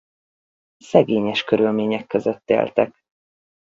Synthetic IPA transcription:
sɛɡeːɲɛʃkøɾylmeːɲɛkːøzøt̪ːḛːlt̪ɛk

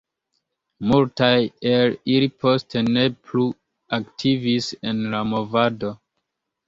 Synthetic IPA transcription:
multajelilipʰostene̞plu | aktʰivisenlamovado̞

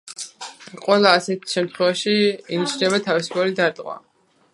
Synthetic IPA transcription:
qʼwɛlˠaːsɛt̪ʃɛmt̪ʰχwɛvaʃiinit͡ʃʰnɛbat̪ʰavisu̥pʰɔɾid̪aɾt̪ʼqʼwa̰

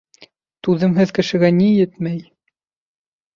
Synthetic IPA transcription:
t̪ʉðɘmɦɘðkɘ̆ʃɘ̆ɡænijɘt̪mæj

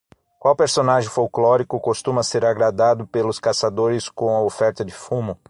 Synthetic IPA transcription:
kwawpeɾsonaʒɪ̃fowklɔɾikʊkost̪ũmɐseɾaɡɾad̪ad̪ʊpelʊskasad̪oɾɪskõw̃ɐofɛɾt̪ɐd͡ʒɪfũmʊ

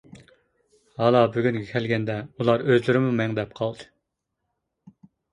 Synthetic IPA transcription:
hɑːlˠɑbyɡʲynŋɡʲɛkʲʰɛlɡʲɛnd̪ɛulˠɑɾøzlɪɾɪmumɛŋd̪ɛp̚qʰɑlˠd̪ɨ̥

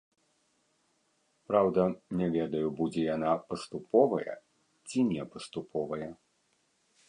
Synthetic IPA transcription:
pɾawd̪ɐnʲɛvʲɛd̪ɐjubud͡zʲɛjanapɐst̪upɔvɐjɐ̰ | t͡sʲinʲɛpɐst̪upʰɔvɐjɐ

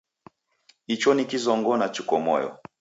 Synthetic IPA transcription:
it͡ʃɔnikizɔŋɡɔnat͡ʃukɔmɔ̰jɔ̰

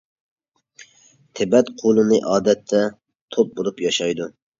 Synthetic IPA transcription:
t̪ʰɪbɛt̪qʰolˠɨnɨʔɑːd̪ɛt̪ʰːɛ | t̪ʰop̚boɾˠupjɑʃɑjd̪u

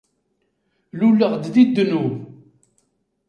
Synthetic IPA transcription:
lulːəʁd̪ðid̪ːnu

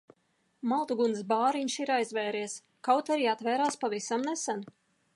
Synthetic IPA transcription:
malˠt̪uɡuns̬baːɾiɲʲʃiɾajzvɛːɾiɛs | kawt̪aɾiat̪vɛːɾaːspavisamnɛsan

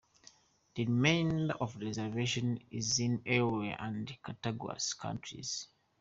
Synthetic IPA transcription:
ðəɹimẽɪ̃ndɔvɹɛzɛveʃɔ̃nizĩnɛweʔãndkʰataɡa̰skʰã̰ntʰɹḭz̥

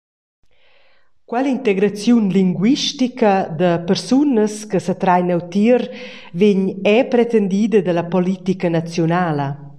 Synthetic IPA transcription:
kwɛlint̪ɛɡɾat͡sjunliŋɡwiʃtikəd̪əpəɾsunəskəsət̪ɾajnawt̪iəɾveɲɛpɾɛt̪ɛnd̪iːd̪əd̪əlapɔlit̪ikənat͡sjɔnaːlə

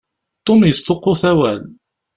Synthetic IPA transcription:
t̪ˤːomjəst̪oqːoθæwæl

